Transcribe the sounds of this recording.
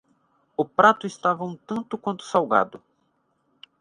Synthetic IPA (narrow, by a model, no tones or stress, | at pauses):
ʊpɾat̪ʊɪst̪avɐũt̪ɐ̃nt̪ʊkwɐ̃nt̪ʊ̥sawɡa̰d̪ʊ